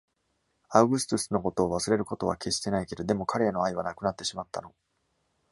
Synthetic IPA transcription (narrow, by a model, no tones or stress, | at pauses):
aɯ̟ɡɯ̟sɨ̥t̪ɯsɨno̞ko̞t̪o̞ːβasɨɾe̞ɾɯ̟ko̞t̪o̞βake̞ɕi̥t̪e̞naike̞d̪od̪e̞mo̞kʰaɾe̞ːno̞aiβ̞anakɯ̟nat̪ːe̞ɕimat̪ːa̰no̞